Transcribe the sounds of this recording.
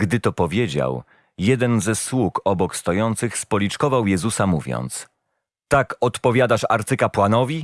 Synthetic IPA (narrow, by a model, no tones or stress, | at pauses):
ɡd̪ɘt̪ɔpɔvʲjed͡ʑa̰w | jɛd̪ɛnzɛswukɔbɔkst̪ɔjɔnt̪sɘxspɔlʲit͡ʂkɔvawjɛzusamuvʲjɔ̰nt̪s | t̪akɔt̪pɔvʲjad̪aʂa̰ɾt̪sɘkapwanɔvʲi